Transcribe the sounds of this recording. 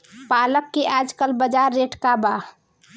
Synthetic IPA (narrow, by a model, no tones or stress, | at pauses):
paləkːeʔad͡ʒkəlbəd͡ʒaɾːeʈkaba